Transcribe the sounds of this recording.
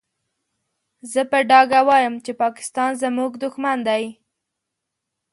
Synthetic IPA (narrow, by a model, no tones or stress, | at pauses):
zəpəɖɑɡawɑjəmt͡ʃepɑkɪ̥st̪ɑnzəmuɡd̪ʊxmand̪aj